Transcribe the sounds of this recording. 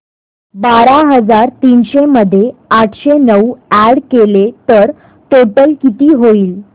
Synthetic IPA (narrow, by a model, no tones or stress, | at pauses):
baɾaɦəd͡zaɾt̪iːnɕeməd̪ʱːjeaʈʰɕenəuæɽkelet̪əɾ | ʈoʈəlkit̪iːɦoiːl